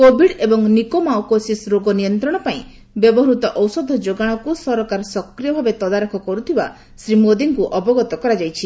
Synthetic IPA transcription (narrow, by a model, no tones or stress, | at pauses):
kobʱiɽebɔŋnikomawkosisɾoɡɔnijɔnt̪ɾɔɽ̃ɔpaĩ | bjɔbɔɦɾut̪ɔʔɔwsɔd̪ʱɔd͡ʒoɡaɽ̃ɔkusɔɾɔkaɾɔsɔkɾijɔbʱabet̪ɔd̪aɾɔkʰɔkɔɾut̪ʰiba̰ | sɾimod̪iŋkuʔɔbɔɡɔt̪ɔkɔɾad͡ʒajt͡ʃʰi